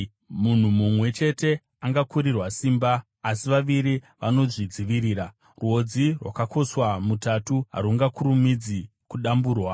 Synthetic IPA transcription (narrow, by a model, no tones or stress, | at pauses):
mun̤umumwe̞t͡ʃe̞te̞ | aŋɡakuɾirwasiːmbaː | siʋaʋiɾi | ʋano̞ʐid͡ziʋiɾiːɾa | ruɦo̞d͡zirwakako̞swamutatuɦa̰ɾuŋɡakuɾumid͡zi | kuɗambuːrwa